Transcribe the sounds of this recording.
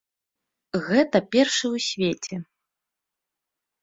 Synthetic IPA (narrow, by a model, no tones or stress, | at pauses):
ɣɛt̪ɐpʲɛrʂɨwsʲvʲet͡sʲɛ